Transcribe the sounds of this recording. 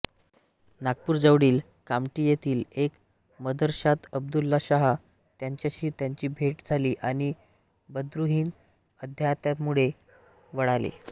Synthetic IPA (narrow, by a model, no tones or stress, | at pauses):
naɡ̚puːɾd͡zəʋɽiːl | kamʈiːjet̪ʰiːlek | məd̪əɾɕat̪əb̚d̪ulːaɕaɦa | t̪jaɲt͡ɕjaɕiːt̪jaɲt͡ɕiːbʱeʈd͡zʱaliːʔaɽ̃i | bəd̪ɾuɦiːn | əd̪ʱjat̪jamuɭe | ʋəɽalḭ